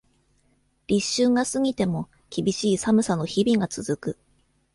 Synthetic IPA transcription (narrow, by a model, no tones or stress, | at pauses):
ɾʲiɕːɨŋɡasɨɡʲit̪e̞mo̞ | kʲibʲiɕiːsamɯ̟sano̞çibʲiɡat͡sɨzɨkɯ